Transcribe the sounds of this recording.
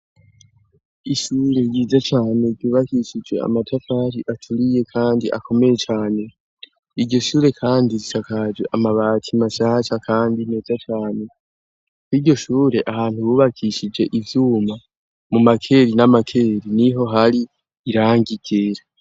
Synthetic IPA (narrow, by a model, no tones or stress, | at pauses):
iʃuːɾe̞jiːzat͡ʃaːne̞ɾɟuːβakiʃid͡ʒɡe̞̰a̰matʰafaɾiʔatʰuɾije̞kʰaːndiʔa̰ko̞me̞je̞t͡ʃaːne̞ | iɾɟo̞ʃuːɾe̞kʰaːndiɾitakad͡ʒwe̞ʔamaβaːtʰimaʃaːʃakʰaːndine̞ːzat͡ʃaːne̞ | kwiːɾɟo̞ʃuːɾe̞ʔahaːn̥huβuːβakʰiʃid͡ʒe̞ʔivjuːma | mumakʰe̞ɾinamakʰe̞ːɾiniɦo̞ɦaɾiː | ɾaːŋɡiɡ̥eɾa